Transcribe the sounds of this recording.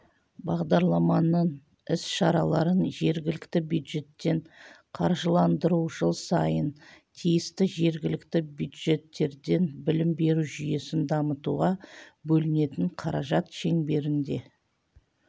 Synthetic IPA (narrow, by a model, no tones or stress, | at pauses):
bɑʁd̪ɑɾlˠɑmɑnəɴ | ɪsʃɑɾɑlˠɑɾənʒe̞ɾɡʲɪlɪkt̪ɪbjud̪ʒe̞t̪ːe̞ɴ | qʰɑɾʒəlˠɑnd̪əɾuʒəlˠsɑjənt̪ʰijɪst̪ɪʒe̞ɾɡʲɪlɪkt̪ɪbjud̪ʒe̞t̪ːe̞ɾd̪e̞nbɪlɪmbe̞ɾuʒʏje̞sɪnd̪ɑmət̪uʁɑbɵlɪne̞t̪ɪɴqʰɑɾɑʒɑt̪ʃe̞ŋbe̞ɾɪnd̪e̞̰